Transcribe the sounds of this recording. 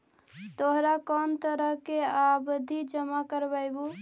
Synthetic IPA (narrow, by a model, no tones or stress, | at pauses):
t̪oɦɾakɔnt̪əɾəɦkeabd̪ʱid͡ʒəmakəɾbaɪbu